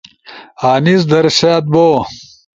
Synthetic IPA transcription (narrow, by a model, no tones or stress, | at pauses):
aːnis̬d̪ɐɾset̪̚boː